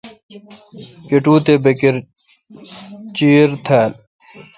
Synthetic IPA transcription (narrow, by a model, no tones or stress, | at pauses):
keʈuːt̪ebekiɾ | t͡ɕiːɾt̪ʰaːl